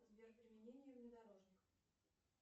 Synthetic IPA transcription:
zbʲerpɾʲɪmʲɪnʲenʲɪjəvnʲɪd̪ɐɾo̞ʐnʲɪx

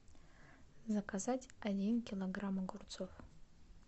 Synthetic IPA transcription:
zakʰazatʲadʲinkʲʰiloɡramaɡʊrt͡sʰof

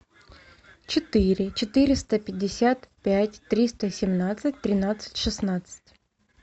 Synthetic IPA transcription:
t͡ɕɪt̪ɨɾʲɪt͡ɕɪt̪ɨɾʲɪst̪əpʲɪdʲːɪsʲat̪pʲætʲt̪ɾʲist̪əsʲɪmnat̪sɨt̚ʲt̪ɾʲɪnat̪sɨ̥tʲʂɨsnat̪sɨ̥tʲ

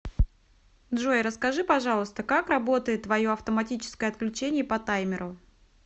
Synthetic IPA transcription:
d̪ʐojɾəskɐʐɨpɐʐɑlˠəst̪əkakrɐbo̞t̪əjɪt̪ːvɐjo̞ɐft̪əmɐtʲit͡ɕɪ̥skəjəɐt̪̚klʲʉt͡ɕenʲɪjəpɐt̪ajmʲɪɾʊ

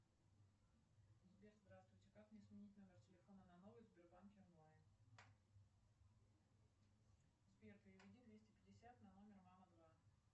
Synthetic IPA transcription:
zbʲerzd̪ɾast̪vʊjtʲɪkaknʲɪsmʲɪnʲitʲno̞mʲɪrtʲɪlʲɪfo̞nənɐno̞vɨjzbʲɪrbankʲɪrnoɪ | zbʲert̪ɨɪvʲɪdʲid̪vʲesʲtʲɪpʲɪdʲɪsʲat̪nɐno̞mʲɪrmaməd̪va

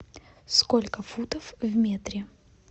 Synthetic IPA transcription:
skolʲkəfut̪əfvmʲet̪ɾʲɪ

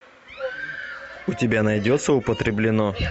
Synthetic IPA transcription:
ʊtʲɪbʲanɐjdʲot̪sːəʊpət̪ɾʲɪblʲɪno

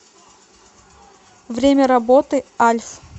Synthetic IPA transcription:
vɾʲemʲəɾɐbot̪ɨalʲf

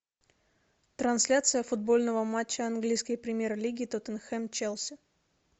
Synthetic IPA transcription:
t̪ɾɐnsʲlʲat̪sɨjəfʊd̪̚bo̞lʲnəvəmat͡ɕːəɐnɡlʲijskəjpɾʲɪmʲjeɾlʲiɡʲɪt̪ot̪ənxɛmt͡ɕelˠsʲɪ

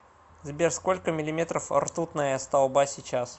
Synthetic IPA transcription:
zbʲerskolʲkəmʲɪlʲɪmʲet̪ɾəfɐ̰rt̪ut̪nəjəst̪ɐlˠbasʲɪt͡ɕas

